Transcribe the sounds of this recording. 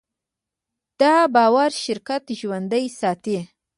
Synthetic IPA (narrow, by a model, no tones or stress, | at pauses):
d̪̥ɑbɑwaɾʃɪɾkat̪ʒwand̪əjsɑt̪i